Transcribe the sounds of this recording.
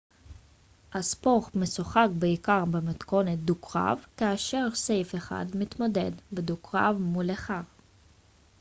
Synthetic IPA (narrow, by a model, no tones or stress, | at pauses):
haspo̞χmesuχakbeikaʁbemat̪ko̞net̪̚d̪ukʁa̰vkaːʃe̞ʁse̞jfeχa̰d̪mit̪mod̪e̞d̪bed̪ukʁa̰vmuleχaʁ